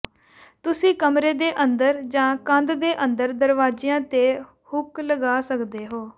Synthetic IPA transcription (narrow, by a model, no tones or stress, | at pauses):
t̪ʊsĩːkəmɾeːd̪eːʔənd̪əɾd͡ʒãːkə̃nd̪d̪eːʔənd̪əɾd̪əɾʋaːd͡ʒiːãːt̪eː | hʊkləɡaːsəkd̪eːɦoː